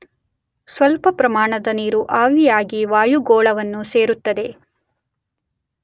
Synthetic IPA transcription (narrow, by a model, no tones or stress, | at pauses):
sʋɐlpɐpɾɐmaːɳɐd̪ɐniːɾuʔaːʋijaːɡiʋaːjuɡɔːɭɐʋɐnːuseːɾut̪ːɐd̪e̞